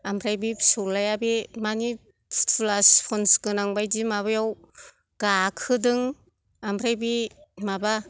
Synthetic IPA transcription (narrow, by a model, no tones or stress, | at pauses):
ampʰɾajbisulːajabimani | tʰlaspʰɔnskɯnaŋbajdimaβajaw | ɡ̥akʰɯdɯŋ | ampʰɾajbimaba